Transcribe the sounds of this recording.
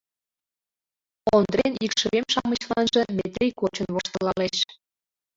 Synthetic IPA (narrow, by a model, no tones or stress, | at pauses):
ond̪renikʃə̆βemʃɑmə̆ɕlɑnʒɤ̆mʲet̪ɾʲijkot͡ɕə̆nβoʃt̪ɤ̆lɑleɕ